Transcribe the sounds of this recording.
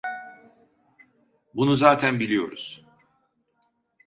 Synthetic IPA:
bunuzaːt̪ʰænbilʲijo̞ɾuz̥

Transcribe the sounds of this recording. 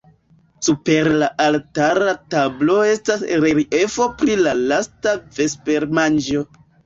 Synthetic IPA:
supe̞ɾlaʔaltaɾatablo̞e̞stasɾeɾiefo̞pɾilalastave̞spe̞ɾmand͡ʒo̞

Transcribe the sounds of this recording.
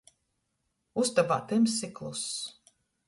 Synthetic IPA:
ust̪abaːt̪ɛmsiklˠus

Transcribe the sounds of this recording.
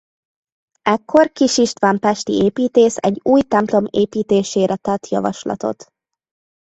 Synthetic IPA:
ɛkʰːo̞rkiʃiʃt̪ʋaːmpɛʃt̪ieːpiːt̪eːsɛ̰ɟːuːjt̪ɛmplo̞meːpiːt̪eːʃeːɾʔɛt̪ɛt̪jɒ̰vɒ̰ʃlɒ̰t̪o̞̰t̪

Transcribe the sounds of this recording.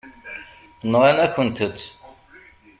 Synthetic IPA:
nʁænækʷːənt̪ət͡s̪ː

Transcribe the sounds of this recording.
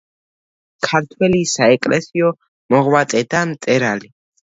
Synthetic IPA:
kʰaɾt̪ʰwɛlisaɛkʼlɛsiɔ | mɔʁwat̪ʼɛd̪amt̪sʼɛɾali

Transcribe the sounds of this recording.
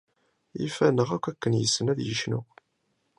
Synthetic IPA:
ḭfænəʁækʷːækːənjəsːənæðjəʃnʊ̰

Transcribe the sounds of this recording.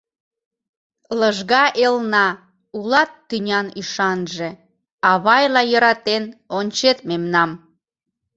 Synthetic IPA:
ləʒɣɑʔelnɑ | ulɑt̪ːynʲɑnyʃɑnʒe | ɑβɑjlɑjəɾɑt̪enonʲt͡ɕet̪̚memnɑm

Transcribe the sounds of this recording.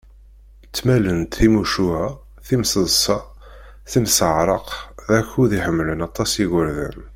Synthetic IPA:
t͡sːmælənt̪θimuʃuhæ | θimsəðˤsɑ | θinsəʕɾˤəqðæçuðiħəmːlənɑt̪ˤːɑsiʝəɾðə̰n

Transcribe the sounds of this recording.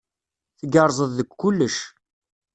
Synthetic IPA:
θəɡəɾˤzˤəððəkʷːʊlːəʃ

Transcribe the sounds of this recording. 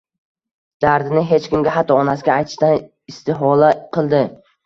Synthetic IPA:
d̪̥aɾd̪ɪnɪɦe̞t͡ʃkʲɪmɡʲaɦat̪ʰːɒɒnasɪɡʲaːjt̪ʰɪ̥ʃt̪an | ɪst̪ɪɦɒlaqʰɨlˠd̪ɪ

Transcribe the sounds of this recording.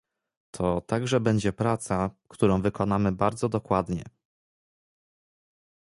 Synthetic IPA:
t̪ʰɔt̪aɡʐɛbɛɲd͡ʑɛpɾat̪sakt̪uɾɔ̃w̃vɘkɔnamɘbaɾd̪zɔd̪ɔkwad̪ɲɛ̰

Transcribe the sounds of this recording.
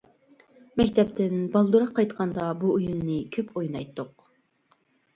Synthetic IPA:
mɛkʲt̪ʰɛpt̪ʰɪnbɑlˠd̪uɾɑqʰːɑjt̪qʰɑnd̪ɑbuujunːɨkʲʰøpʰojnɑjt̪ʰːʊq

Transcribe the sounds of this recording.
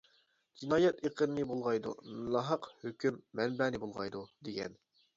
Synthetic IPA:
d͡ʒinɑːjɛt̪eqʰənɨnɨbolˠʁɑjd̪ṵnɑɦɑqhøkʲʰymːɛnbɛːnɪbolˠʁɑ̰jd̪ud̪eɡʲɛ̰n

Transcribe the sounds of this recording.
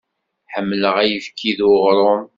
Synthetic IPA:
ħəmːləʁæjəfkʰːiðʁɾˤoɾ

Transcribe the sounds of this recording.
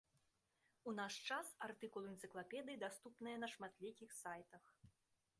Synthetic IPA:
unaʂt͡ʂasart̪ɨkulˠɨɛnt̪sɨklˠapʲɛd̪ɨjid̪ast̪upnɨjɐnɐʂmat̪lʲikʲixsajt̪ɐx

